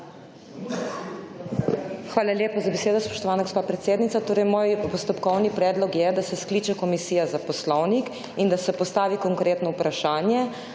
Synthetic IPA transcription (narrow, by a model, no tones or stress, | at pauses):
xʋaːlaljeːpazabeseːd̪ɔspɔ̥ʃt̪ɔʋaːnaɡospaːpɾɛt̪seːd̪nit̪sat̪oːɾɛjmoːjpɔst̪ɔpkɔwnipɾɛːd̪lɔkjɛd̪asɛskliːt͡ʃɛkɔmisiːjazapɔslɔwnik | ind̪asɛpɔst̪aːʋikɔŋkɾeːt̪nɔupɾaʃaːnjɛ